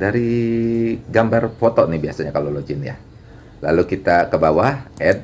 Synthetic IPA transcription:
daɾi | ɡambarpɔt̪ɔʔnibiasaɲakalolod͡ʒɪnja̰ | la̰lukit̪akəbawahʔɛd̚

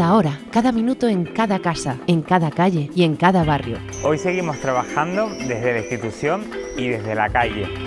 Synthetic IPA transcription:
aoɾakaðamĩnut̪oeŋkaðakasaeŋkaðakaʎeieŋkaðaβarjo̰ | ojse̞ɣimost̪ɾaβaxand̪od̪e̞zðelaist̪it̪usjoŋiðe̞zðela̰kaʎḛ

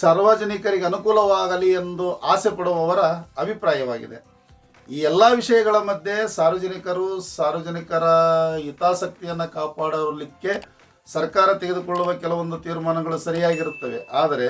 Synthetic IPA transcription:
saːɾʋaːd͡ʒɐnikɐɾiɡeɐnukuːlɐʋaːɡɐliend̪uʔaːsepɐɽuʋɐʋɐɾɐɐbʱipɾaːjɐʋaːɡḭd̪e̞ | iːɛlːaʋiʂɐjɐɡɐɭɐmɐd̪ʱje̞saːɾʋɐd͡ʒɐnikɐɾusaːɾʋɐd͡ʒɐnikɐɾɐit̪aːsɐk̚t̪ijɐnːukaːpaːɽɐʋɾlikːe̞ | sɐɾkaːɾɐt̪eɡed̪ukoɭːuʋɐkɛlɐʋo̞nd̪ut̪iːɾmaːnɐɡɐɭusɐɾijaːɡiɾut̪ːɐʋḛʔaːd̪ɐɾe̞

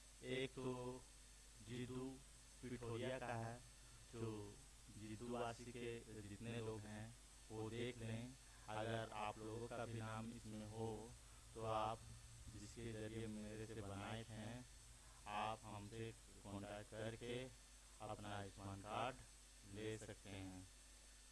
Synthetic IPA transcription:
eːkt̪o | d͡ʒɪd̪u | pɪʈʰoːɾijakaɦɛ | d͡ʒoː | d͡ʒɪd̪uaːʃiked͡ʒɪt̪nelooːɡɦɦɛ̃ | ʋod̪eːkʰlẽẽ | ɐɡəɾa̰ːploːɡõkabʱiinaːmɪsmẽɦo | t̪oaːpd͡ʒɪskezɐɐɾiemeːɾseebəbɐnaːetɦɛ̃ | aːpɦɐmsʰe | kɔ̃ːɳʈaʈkɐɾke | ɐpnaɪzənkaːɾɖ | leːsɐkt̪eɦɛ̃ː

